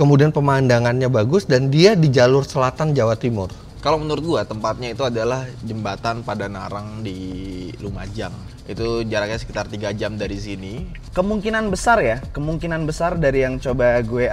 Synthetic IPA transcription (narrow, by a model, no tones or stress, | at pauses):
kəmudianpəmandaŋanɲabaɡʊsdandiadid͡ʒalʊrsəlat̪and͡ʒawat̪imʊr | kalomənəɾʊt̪̚ɡuat̪əmpat̪̚ɲait̪uadalahd͡ʒəmbat̪anpadanaɾaŋdiluma̰d͡ʒaŋ | it̪ud͡ʒaɾak̚ɲasə̥kit̪art̪iɡad͡ʒamdaɾisini | kəmuŋkinanbəsarjakəmuŋkinanbəsardaɾijaŋt͡ʃobaɡue